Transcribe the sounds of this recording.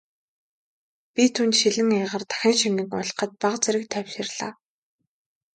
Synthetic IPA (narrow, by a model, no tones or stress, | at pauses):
pʲit̪ʰunt̪ʃiɮɘ̆ŋaːʁə̆rt̪ʰḁxʲĭːŋʃiŋɡɘ̆ŋʊ̰ɮ̆qə̆t̪̚paʁt͡seɾɘ̆k̚t̪ʰœwʲʃɪ̆rɮaː